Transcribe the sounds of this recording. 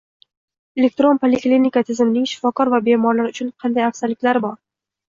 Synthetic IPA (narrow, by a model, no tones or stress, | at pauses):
e̞lʲe̞k̚t̪ɾo̞npʰolʲeklinikat̪ʰɪzɪmɪnɪŋʃɪ̥fɒkʰɒɾvabe̞mɒɾlaɾʊt͡ʃʰʊnqʰɑnd̪ajafsalːɪkʲlaɾɪbɒɾ